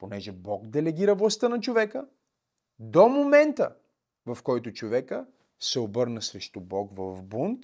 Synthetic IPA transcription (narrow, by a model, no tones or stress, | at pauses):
ponɛʒɛbɔɡd̪ɛlɛɡ̟iɾɐvlˠɐst̪ənɐt͡ʃovɛkə | d̪omomɛnt̪ə̰ | vɐfkɔjt̪ʊt͡ʃovɛkə | sɛobɤɾnəsɾɛʃt̪ʊbɔɡvɐvbunt̪